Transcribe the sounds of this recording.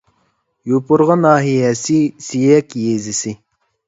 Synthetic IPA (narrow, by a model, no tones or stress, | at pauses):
jupʊɾʁɑnɑːɦijɛsisijɛkʲjezɪsi